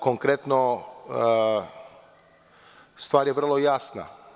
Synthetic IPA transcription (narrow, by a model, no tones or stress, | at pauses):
koŋkɾet̪no | st̪ʋaːɾjeʋr̩lˠojasna̰